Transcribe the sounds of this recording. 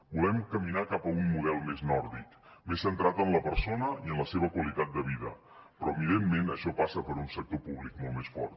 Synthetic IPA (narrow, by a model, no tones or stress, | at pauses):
bulɛmkəminakapəunːuðɛlˠmeznɔɾðik | mesːənt̪ɾat̪ənləpəɾsonəiənləseβ̞əkwəlit̪at̪̚d̪əβ̞iðə | pɾɔəβiðemːenəʃɔpasəpəɾunsək̚t̪opuβlik̚molˠmesfɔ̰ɾt̪